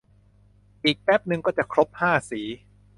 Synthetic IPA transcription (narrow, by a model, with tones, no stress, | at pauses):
ʔiː˨˩k̚pɛ˦˥p̚nɯ˧ŋkɔː˥˩t͡ɕa˨˩kʰɾo˦˥p̚haː˥˩siː˩˦